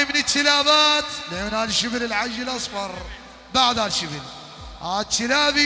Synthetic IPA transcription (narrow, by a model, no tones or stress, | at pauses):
mɪnɪt̪ːɪlaːbaːt̪lʔeːnhaːlʃɪbɪlɪlʕaʒːɪlʔɑsˤfɑɾˤ | baʕd̪halʃɪbɪl | hat̪ʰːɪlaːbi